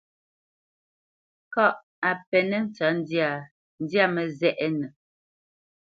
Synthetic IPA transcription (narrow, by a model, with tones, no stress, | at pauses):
kɔ˦ʔ | a˨pɛ˨nɛ˦n̩˦t͡sa˨˦n˦da˨ | n̩˦dja˦mə˨zɛ˦˨ʔɛ˦nə˨